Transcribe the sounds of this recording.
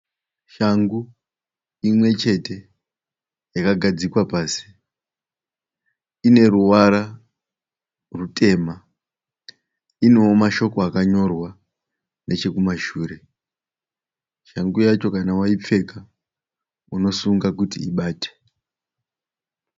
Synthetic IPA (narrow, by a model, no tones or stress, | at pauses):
ʃaŋɡu | imwe̞t͡ʃe̞te̞ | jakaɡʱad͡zikwapaːsi̥ | ine̞ɾuwaɾa | rute̞ːma | inewomaʃo̞ko̞akaɲo̞rwa | ne̞t͡ʃe̞kumaʃuːre̞ | ʃaŋɡujat͡ʃo̞kanawaip͡fe̞ka | uno̞suŋɡakutḭḭɓaːtʰe̥